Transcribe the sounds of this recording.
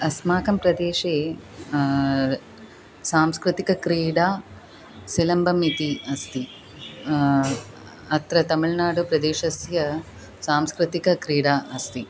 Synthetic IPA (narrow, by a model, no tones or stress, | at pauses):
ɐsmaːkɐmpɾɐd̪eːʃeː | saːmskɾɪt̪ikɐkɾiːɽaː | silɐmbʱɐmit̪iɐst̪i | ɐt̪ɾɐt̪ɐmiɭnaːɽupɾɐd̪eːʃɐsjɐ | saːmskɾɪt̪ikɐkɾiːɽaːʔɐst̪i